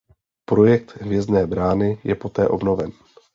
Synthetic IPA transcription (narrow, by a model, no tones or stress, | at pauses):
pɾo̞jɛk̚t̪ɦvjɛzdnɛːbɾaːnɪjɛpo̞t̪ɛːʔo̞bno̞vɛn